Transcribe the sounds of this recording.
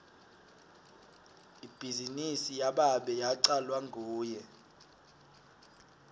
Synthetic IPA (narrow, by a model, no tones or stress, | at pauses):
ib̥ʱizinisijaɓaɓɛjaǀalwaŋʱuːjɛ